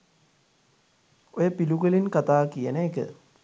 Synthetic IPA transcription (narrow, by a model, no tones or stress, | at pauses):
ojəpiluɡəlinkat̪aːkijənəekə̰